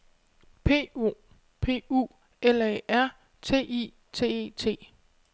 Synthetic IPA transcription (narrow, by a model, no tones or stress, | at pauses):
pʰe̝̰ːṵ | pʰe̝̰ːṵː | elɛʔæɐ̰ | t͡sʰe̝̰ːʔḭ | t͡sʰe̝̰ːe̝̰t͡sʰe̝̰ː